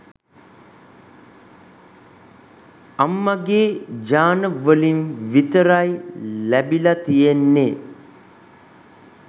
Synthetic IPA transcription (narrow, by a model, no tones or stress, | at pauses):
amːəɡeːd͡ʒaːnəʋəlinʋit̪əɾajlæbilɐt̪ijenːe